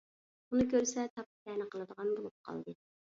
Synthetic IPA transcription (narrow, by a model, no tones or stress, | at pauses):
unɨkʲøɾsɛt̪ʰɑp̚t̪ɛnɨqəlˠɨd̪əʁɑnbolˠup̚qʰɑ̰lˠd̪ɨ